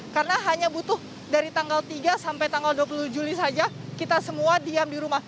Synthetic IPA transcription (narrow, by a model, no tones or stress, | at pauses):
karənaɦaɲabut̪ʊh | daɾit̪aŋɡalt̪iɡasampajt̪aŋɡalduapulud͡ʒulisad͡ʒakit̪asəmuadiamdiɾumah